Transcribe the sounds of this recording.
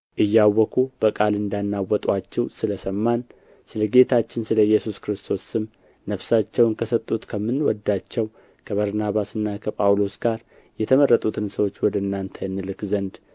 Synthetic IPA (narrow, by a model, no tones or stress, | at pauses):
ʔɨjːawːɔkʰub̥əkʼalɨnd̪anːawːɔt̪ʼwat͡ʃːɛwsɨləsəmːan | sɨləɡe̞t̪ʰat͡ʃːɪnsɨləjːɛsuskɾɨst̪ʰo̞sɨm | nəfsat͡ʃːɛwnkʰəsət̪ʼːut̪kʰəmːɨnwɔd̪ːat͡ʃːɛw | kʰəβəɾnaβasɨnːakʰəpʼawlo̞sɡaɾ | jɛt̪ʰəmərːət̪ʼut̪ʰɨnsəwo̞t͡ʃːwɔd̪əɨnːant̪ʰəɨnːɨlɨkzənd̪